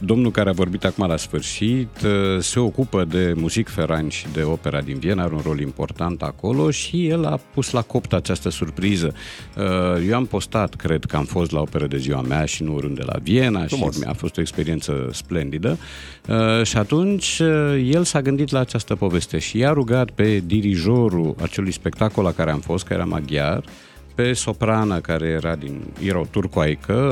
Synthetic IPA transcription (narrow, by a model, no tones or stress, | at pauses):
d̪o̞mnulkaɾeavo̞rbit̪akumalasfɨrʃit̪se̞o̞kupəd̪e̞muzikfe̞ɾanʲʃid̪e̞o̞pe̞ɾad̪invie̞naaɾeunro̞limpo̞̰rt̪ant̪a̰ko̞lo̞ʃije̞lapuslako̞pt̪at͡ʃast̪əsurpɾizə | əje̞wampo̞st̪at̪kɾe̞d̪kəamfo̞st̪lao̞pe̞ɾəd̪e̞ziwa̰meaʃinuoɾɨnd̪e̞la̰vie̞naʃa̰fo̞st̪oekspe̞ɾie̞nt̪sə̰sple̞nd̪id̪ə | əʃiat̪unt͡ʃʲəje̞lsaɡɨnd̪it̪laːt͡ʃast̪əpo̞ve̞st̪e̞ʃijaɾuɡat̪pe̞d̪iɾiʒo̞ɾua̰t͡ʃe̞lujspe̞k̚t̪ako̞lakaɾe̞amfo̞st̪kaḛɾa̰ma̰ɡʲjar | pe̞so̞pɾanəkaɾe̞jeɾad̪injeɾaot̪urkoajkʰə